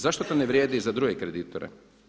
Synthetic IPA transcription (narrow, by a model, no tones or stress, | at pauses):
zaʃt̪ot̪oneʋɾjeːd̪izad̪ɾuɡekɾed̪iːt̪oɾḛ